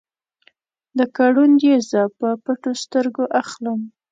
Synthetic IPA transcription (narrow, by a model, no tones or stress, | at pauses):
d̪əkaɽund̪jezəpəpaʈost̪əɾɡoʔaxləm